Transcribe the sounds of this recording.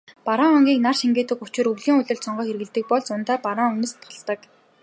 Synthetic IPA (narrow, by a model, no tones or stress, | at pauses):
paɾaŋɔŋɡʲiːknarʃiŋɡeːt̪ɘ̆ku̥t͡ɕɪ̆ɾɵɣɮiːŋʊɮʲɵ̆ɬsɔɴɢœːxerɣɘ̆ɮt̪ɘ̆k̚pɔɮt͡sʊnt̪aːpaɾaːŋunɘ̆st̪ʰɔ̥ɮt̪ə̆k